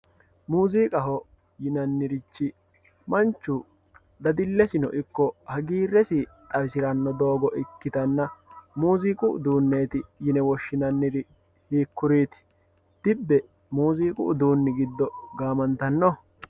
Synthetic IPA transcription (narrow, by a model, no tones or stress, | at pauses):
muːziːkʼɐɦɔ | jɪnɐnːɪɾɪt͡ʃːɪ | mɐnt͡ʃːʊ | d̪ɐd̪ɪlːɛsɪnɔ̰ʔɪkːɔhɐɡiːrːɛsɪt̪ʼɐɾsɪɾɐnːɔd̪oːɡɔʔɪkːɪt̪ɐnːɐmuːziːkʼʊʊ̰d̪uːnːeːt̪ɪjɪnɛwɔʃːɪnɐnːɪɾɪ | hiːkːʊɾiːt̪ɪ̥ | d̪̥ɪbːɛ | muːziːkʼʊ̰ʔd̪uːnːɪɡɪd̪ːɔɡaːmɐnt̪ɐnːɔ